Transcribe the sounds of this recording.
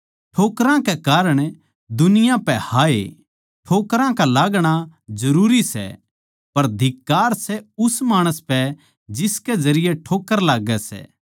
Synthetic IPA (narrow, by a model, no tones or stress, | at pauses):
ʈʰoːkɾãkekaːɾəɽ̃ | d̪ʊnɪjãpɛhaːḛ | ʈʰoːkɾãkalaːɡɽ̃azɐɾuːɾisɛ̰ | pɐɾd̪ʱɪkːaːɾsɛʊsmaːɽ̃əspɛ | d͡ʒɪsked͡ʒɐɾɪjeʈʰoːkəɾlaːɡɛsɛ̰ː